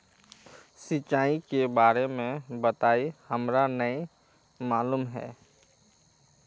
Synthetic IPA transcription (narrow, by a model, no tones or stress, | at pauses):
sɪt͡ʃaːikebaːɾemẽbət̪aːihəmɾanəi | maːluːmɦɛ̰ː